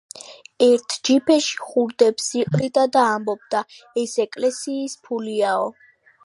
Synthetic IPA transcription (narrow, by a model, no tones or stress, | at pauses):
ɛɾt̪ʰd͡ʒipʰɛʃi̥χuɾd̪ɛpsiqʼɾid̪ad̪aːmbɔb̚d̪a | ɛsɛkʼlɛsiːspʰuliaɔ